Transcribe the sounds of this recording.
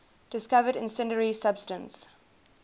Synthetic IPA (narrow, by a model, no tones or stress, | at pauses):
d̥ɪskavəɾɪ̰̃nsɪ̃ndəɹisab̥stə̃ns